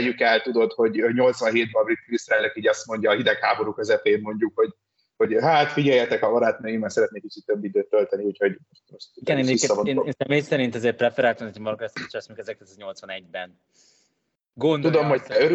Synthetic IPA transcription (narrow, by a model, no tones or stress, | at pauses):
jykɛlt̪ud̪o̞t̪ho̞ɟɲo̞lt̪sʋɒnɦeːd̪̚bɒbrit̪klist̪ɾaːløkiːɟɒst̪mo̞ɲɟɒːɦid̪ɛkhaːbo̞ɾuːkøzɛpeːmmo̞ɲɟukho̞ɟ | ho̞ɟɦaːt̪fiɟɛjːɛt̪ɛkɒmɒɾaːt̪nøːimɛnsɛɾɛt̪neːkːit͡ʃit̪ːøbːid̪øːt̪ːølt̪ɛniucho̞ɟmoʃt̪moʃt̪iɡɛneːnmɛisvoeːneːnsɛmeːjsɛɾint̪ɛzeːr̚prɛfɛɾaːlt̪ɛmnɛt̪mɒɾokɛst̪ːʃɛsmoɲukɛzɛkt̪ɛt̪ɛzɲo̞lt̪sʋɒnɛɟbɛn | ɡond̪t̪ud̪omhoct̪ɛøɾ